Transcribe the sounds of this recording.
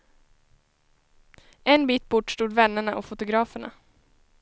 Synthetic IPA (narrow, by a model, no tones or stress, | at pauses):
ɛnbiːt̪̚bʊʈːʂt̪uːd̪vɛnːəɳaʔɔfʊt̪ʊɡɾɑːfəɳa̰